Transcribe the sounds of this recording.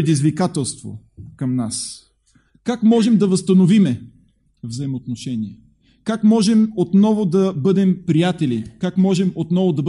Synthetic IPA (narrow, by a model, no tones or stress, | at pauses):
ɛd̪izvikat̪ɛlˠst̪vo̰ | kɐmnas | kakmɔʒɛmd̪ɐvəst̪ɐnovimɛ | vzɐɛmot̪noʃɛniɛ | kakmɔʒɛmot̪nɔvod̪ɐbɤd̪ɛmpɾijat̪ɛlikakmɔʒɛmot̪nɔvʊd̪ɐb